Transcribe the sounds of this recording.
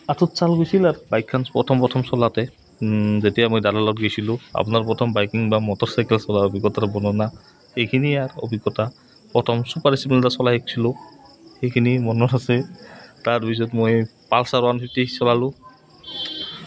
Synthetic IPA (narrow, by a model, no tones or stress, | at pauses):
atʰɔtsalɡojsilaɹbajkʰːanpɔ̰tʰɔmpɹɔtʰɔmsɔlatɛ | zetijamojdadalɔtɡejsilʊ̃a̰punaɹpɔtʰɔmbajkiŋbamɔtɔɹsajkɛlsɔlaɔbʱiɡɔtaɾɔbɔnɔna | xejkʰiniaɹɔ̰bʱiɡɔta | pɹɔtʰɔmsupaɹisipɛntasɔlaɦek̚sʰilʊ | xejkʰinimɔnɔnasɛtaɹbis̬ɔtmojpalsaɹɔanpʰitisɔlalʊ̃